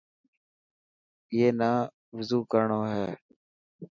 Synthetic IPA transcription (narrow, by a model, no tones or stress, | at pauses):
ɪeːnaː | ʋəzuːkəɾɳoːɦɛː